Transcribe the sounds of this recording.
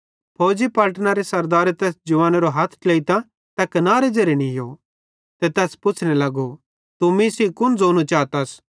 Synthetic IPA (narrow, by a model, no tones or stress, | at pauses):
pʰoːd͡ʒipɐːʈnaɾesɐɾd̪aːɾet̪ɛːsd͡ʒʊʋaːneɾoɦɐt̪ʰt͡ʃleːit̪ã | t̪ɐkɐnaːɾed͡ʒɐɾenĩjo | t̪ɛt̪ɛːspʊt͡ʃʰnelɐɡo | t̪ʊmĩsikʊnd͡zoːnut͡ʃaːt̪ɐs